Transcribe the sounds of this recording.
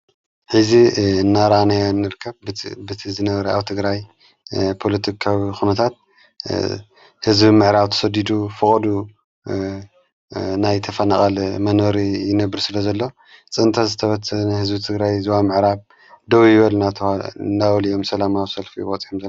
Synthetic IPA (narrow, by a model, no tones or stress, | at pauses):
ħɨziɨnːaɾanajnːɨɾɨkʰːɐβbɨt̪ʰizɨnɐβɐɾɐa̰βt̪ʰɨɡɾaj | pʰo̞lɐt̪ʰikʰawixunɐt̪ʰat̪̚ | hɨzbimɨʕɾaβt̪ʰɐ̥sɐd̪id̪ufɨkʼɐd̪u | najt̪ʰɐfɐnaχʼalmɐnɐɾijɪnɐbɨɾsɨlɐzɐlːo̞ | t͡sʼɨnt̪ʰazɨt̪ʰɐβɐt͡sɐnahɨzbit̪ʰɨɡɾajzɨwamɨʕɾaβ | d̪ɐwijɪβɐlnat̪ʰɨndawlijo̞msɐlamawisɐlfiwɐt͡sʼiħomzɐ